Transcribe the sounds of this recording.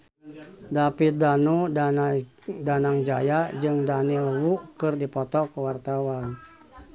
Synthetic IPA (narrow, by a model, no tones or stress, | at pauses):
dapit̪̚danu | danaŋd͡ʒajad͡ʒɨŋdanilwukɨrdipɔt̪ɔkuwart̪awan